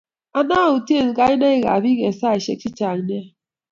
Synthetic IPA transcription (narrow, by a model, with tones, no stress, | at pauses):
a˨na˦˨u˨ti˦e˦˨n˨ɡa˦i˦na˦i˦ɣa̰˨bi˦ɣe˨sa˦˨i˨ʃḛ˦k̚t͡ʃi˦t͡ʃa˨ŋ˨n˦a˦